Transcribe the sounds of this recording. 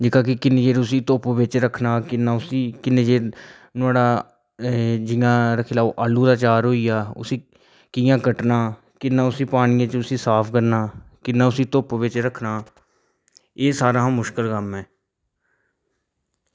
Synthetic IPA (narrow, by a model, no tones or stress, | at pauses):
d͡ʒɪkaːkɪkɪned͡ʒeːɾʊsiːt̪oːpʋɪt͡ʃɾəkʰnaːkɪnːãːʊsiːkɪneːd͡ʒeːɾ | nʊaːɽaː | d͡ʒɪjãːɾəkʰɪlaːʋʔaːlːuːd̪aːt͡ʃaːɾɦoːiːjaːʊ̰siː | kɪjãːkəʈnaː | kɪnːãːʊsiːpaːñiːãt͡ʃʊsiːsaːpʰkəɾnaːkɪnːaːʊsiːt̪oːpːʋɪt͡ʃɾəkʰnaː | eːsaːɾãːmʊʃkəlkəmɦɛː